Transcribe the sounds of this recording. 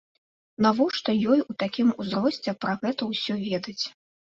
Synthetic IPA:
navɔʂt̪ɔjɔjut̪akʲimuzɾɔsʲt͡sʲɛpɾɐɣɛt̪ɐwsʲɔvʲɛd̪ɐt͡sʲ

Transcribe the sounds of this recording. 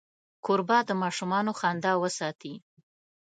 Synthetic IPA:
koɾbɑd̪əmɑʃumɑnoxɑnd̪ɑwəsɑt̪i

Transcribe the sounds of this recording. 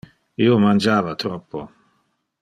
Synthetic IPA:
iːomand͡ʒaːvat̪ɾɔpːo

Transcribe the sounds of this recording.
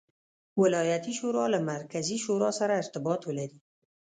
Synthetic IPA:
wɪlɑjat̪iʃoɾɑlamaɾkaziʃoɾɑsaɾaɪɾt̪ɪbɑt̪wəlaɾi

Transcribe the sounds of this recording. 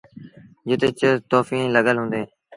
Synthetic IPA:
d͡ʒɪt̪eːt͡ʃət̪oːfĩːnləɡəlɦʊ̃ːnd̪eː

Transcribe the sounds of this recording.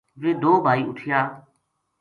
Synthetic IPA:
ʋeːd̪oːbʱaːiːʔʊʈʰɪjaː

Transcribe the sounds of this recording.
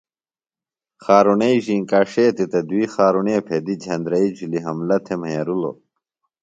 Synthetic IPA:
xaːɾuneiʑiŋkaːʂeːt̪it̪ɐd̪uixaːɾuneːpʰed̪id͡ʑʱɐnd̪ɾɐid͡ʑuliɦɐmlɐt̪ʰemjɐɾulo̰

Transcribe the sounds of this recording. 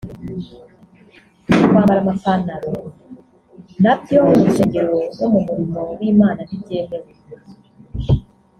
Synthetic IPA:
kwaːmbaɾamafanaɾo | nabjo̞umuuseɲeɾo̞nomumuɾimo̞wiːmaːnanibɟe̞ːme̞we

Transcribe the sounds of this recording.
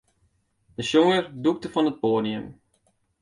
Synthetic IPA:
d̥əsoŋərduk̚təfɔnət̚poːniəm

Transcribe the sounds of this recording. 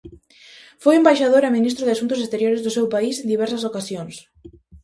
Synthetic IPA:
fojumbajʃaðoɾaminist̪ɾʊðɪasunt̪ʊs̬est̪eɾjoɾɪzðʊsewpaisend̪iβ̞ɛɾsɐsokasjoŋs

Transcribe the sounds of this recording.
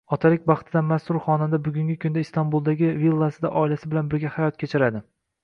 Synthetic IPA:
ɒt̪ʰalɪk̚ʲbɑχt̪ʰɪd̪anmast̪ʊɾχɒnad̪abʊɡʲʊŋɡʲɪkʰʊnd̪aist̪ʰanbulˠd̪aɡʲɪvilˠːasɪd̪aʔɒɪlasɪbɪlanbɪɾɡʲahajɒt̪̚kʲet͡ʃʰɪɾad̪ɪ

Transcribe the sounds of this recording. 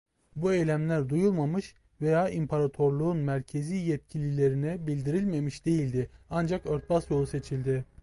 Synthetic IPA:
buejlʲæmlʲæɾd̪ujulˠmamɯʃ | ve̞jaːʔimpʰaɾat̪ʰo̞ɾlˠuːnmæɾcʰe̞ziːjɛt̪̚cʰilʲilʲe̞ɾinɛbilʲd̪iɾilʲme̞miʃd̪e̞jilʲd̪ɪand͡ʒakøɾt̪̚basjo̞lˠuse̞t͡ʃʰilʲd̪ɪ

